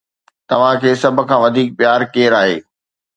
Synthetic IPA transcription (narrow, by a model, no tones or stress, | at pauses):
t̪ɐʋ̤ãkʰeːsɐbʱʊ̆kʰãːʋɐd̪ʱiːk̚pɪjaːɾkeːɾaːɦḛː